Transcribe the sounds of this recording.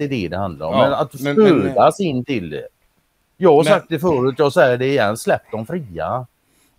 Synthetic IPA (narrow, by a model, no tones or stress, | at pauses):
ɛd̪ɛd̪ɛhand̪la̰ɾɔ̰mːɛnat̪ɵd̪asɪnːt̪ɪld̪ɛ̰ | jɑːɡhaɾʂsak̚t̪d̪ɛfœːɾʉːt̪jɑːsɛjːəɖɛɪjɛnːslɛp̚t̪ɔmfɾiːa̰